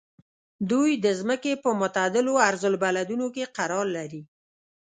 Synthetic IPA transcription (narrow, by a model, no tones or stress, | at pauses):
d̪ujd̪əzməkepəmʊt̪ad̪ɪloaɾzʊlbalad̪unokeqaɾɑɾlaɾi